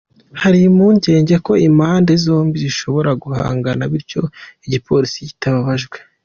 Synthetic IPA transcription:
haɾimuːɲɟe̞ːɲɟe̞ko̞imaːndezo̞ːmbiziʃo̞βo̞ɾaɡuha̰ːŋɡanaβiɾco̞iɟipʰo̞ɾisici̥taβaβaʒɡwe

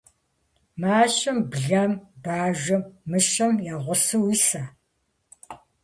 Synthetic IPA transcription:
maːɕɐmbɮɐmbaːʒʷɐmːɨʃɐmjaːʁʷʊsɨwisaː

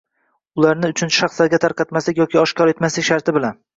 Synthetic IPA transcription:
ʊlˠaɾnɪʊt͡ʃʰʊnʰɪ̥ʃɑχslaɾɡʲat̪ʰaɾqɑt̪maslɪkʲjɒkʲɪɒʃkʰɒɾe̞t̪maslɪkʲʃaɾt̪ʰɪbɪlan

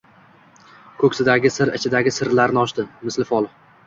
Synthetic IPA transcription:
kʰɵkʲsɪd̪aɡʲɪsɪɾɪ̰t͡ʃʰɪd̪aɡʲɪsɪɾlaɾnɪɒʃt̪ɪmɪslɪfɒlˠ

